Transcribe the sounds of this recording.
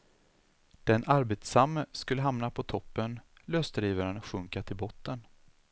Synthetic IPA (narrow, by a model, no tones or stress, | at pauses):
d̪̥ɛnʔaɾbeːt̪samːəskɵlːəɦamnapʰɔt̪ʰɔpːənløːsd̪ɾiːvəɾənɧɵŋkat̪ʰɪlbɔt̪ːən